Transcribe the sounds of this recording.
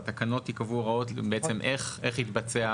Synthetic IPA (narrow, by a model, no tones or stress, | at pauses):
t̪akano̞t̪ikavuʁao̞tbeet͡se̞mʔeχeχhit̪bat͡sea